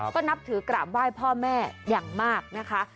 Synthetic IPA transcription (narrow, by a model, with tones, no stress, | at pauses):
kɔː˥˩na˦˥p̚t̪ʰɯː˩˦kɾaː˨˩p̚waː˥˩jpʰɔː˥˩mɛː˥˩jaː˨˩ŋmaː˥˩k̚na˦˥kʰa˦˥